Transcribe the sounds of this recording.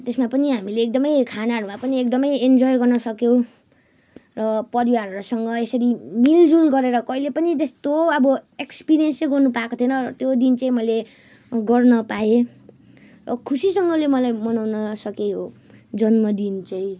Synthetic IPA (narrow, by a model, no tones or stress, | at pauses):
t̪esmapʌniɦamileːk̚d̪ʌmʌjkʰanaɾumapʌniekd̪ʌmʌjend͡zojɡʌrnʌsʌkjow | rʌpʌɾiwaɾʌɾosʌŋɡʌesʌɾimild͡zulɡʌɾeɾʌkʌilepʌnid͡zʌst̪oʌbʌekspiɾijʌnsleɡʌrnupaːkot̪ʰjʌnʌrʌt̪jod̪int͡saĩmʌjle | ɡʌrnʌpae | rʌkʰusisʌŋɡʌlemʌlajmʌnawnʌsʌkeɦo | d͡zʌnmʌd̪int͡saĩ